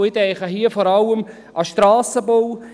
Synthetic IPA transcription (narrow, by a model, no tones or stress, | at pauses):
ɪtɛɪχəɦiəfɔːɾɑləm | ʔɑʃtɾɑːsəbow